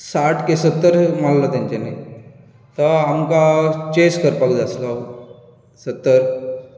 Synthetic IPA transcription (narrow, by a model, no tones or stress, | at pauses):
saʈʰkesət̪ːəɾmallət̪jãɲt͡ɕenaj | t̪əamkat͡ɕeskəɾpəkd͡zasla | sət̪ːəɾ